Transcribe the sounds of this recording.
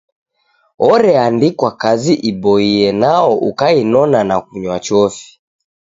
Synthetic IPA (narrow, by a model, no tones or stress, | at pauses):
ɔɾɛandikwakaziʔiɓɔiɛnaɔʔukainɔnanak̚uɲwat͡ʃɔfi̥